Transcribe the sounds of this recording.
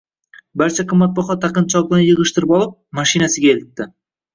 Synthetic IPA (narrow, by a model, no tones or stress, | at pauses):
baɾt͡ʃʰaqʰɨmːat̪̚bɒχɒt̪ʰaqɨnt͡ʃʰɒld̪anjɨʁɨʃt̪ɪɾɪpɒlˠɪp̚maʃinasɪɡʲaelɪt̪ːɪ